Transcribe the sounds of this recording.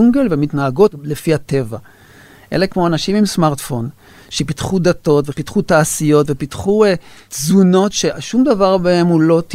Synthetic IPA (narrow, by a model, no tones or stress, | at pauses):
uŋɡelvemit̪naaɡo̞tle̞fiat̪e̞va | ʔḛle̞kmoanaʃimimsmaʁtfo̞n | ʃepit̪χud̪ato̞tve̞pitχutaːsijo̞tve̞pitχuezuno̞tʃeʃumd̪avaʁbehe̞mulo̞t̪